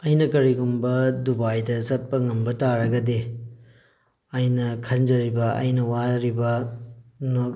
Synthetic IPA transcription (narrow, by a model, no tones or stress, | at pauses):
ɐjnɐkɐɾiɡumbɐdubajdɐzɐt̚pɐŋɐmbɐtaɾɐɡɐde | ɐjnɐkʰɐnd͡ʒɐɾibɐɐ̰jnɐwaɾibɐ | no